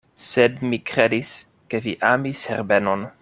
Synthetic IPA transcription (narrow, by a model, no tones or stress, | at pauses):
sedmikɾedis | keviʔamishḛɾbenon